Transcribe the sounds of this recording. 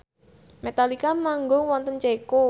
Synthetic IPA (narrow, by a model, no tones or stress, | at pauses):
met̪alikamaŋɡʊŋwɔnt̪ənt͡ʃeko